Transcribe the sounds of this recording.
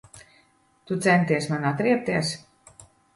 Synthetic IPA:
t̪ut̪sɛnt̪iɛsmanat̪ɾiɛp̚t̪iɛs

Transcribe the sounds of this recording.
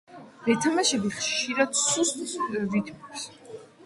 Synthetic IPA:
vɛt̪ʰamaʃɛbiχʃʃiɾad̪sust̪vit̪ʰmɛps

